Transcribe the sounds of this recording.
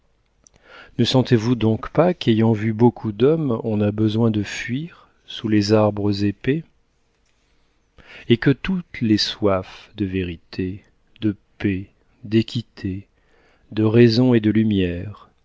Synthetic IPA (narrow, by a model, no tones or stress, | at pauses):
nəsɑ̃t̪evud̪ɔ̃kpakejɑ̃vybokʰud̪ɔmɔ̃nabəzwɛ̃d̪əfɥiʁ | sulezaʁbʁəzepe | ekət̪ut̪leswafd̪əveʁit̪ʰe | d̪əpe | d̪ekʲit̪ʰe | d̪əʁɛzɔ̃ed̪əlymjɛːʁ